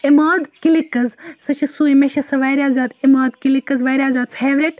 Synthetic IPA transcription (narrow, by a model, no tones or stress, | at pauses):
emaːd̪kilikːɐzsɐt͡ʃʰisuːimeʃɐsɐʋaːjɾʲaːzaːd̪emaːd̪kilikːɐzʋaːjɾʲaːzʲaːd̪t͡sheːʋɾeʈ